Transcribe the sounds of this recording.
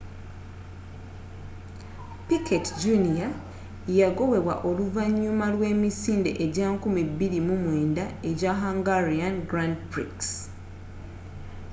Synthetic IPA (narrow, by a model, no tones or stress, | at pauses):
piketɟunija | jaɡo̞we̞βwa̰ʔo̞luvaɲːumalwe̞ːmisiːnde̞̰ʔeɟaːŋkumibiɾimumwe̞ːndae̞ɟaɦaŋɡaɾianɡɾandpɾḭks